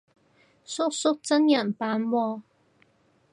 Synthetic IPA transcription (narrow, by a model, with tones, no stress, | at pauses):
sʊ˥k̚sʊ˥k̚t͡sɐ˥njɐ˨˩npaː˧nwɔː˧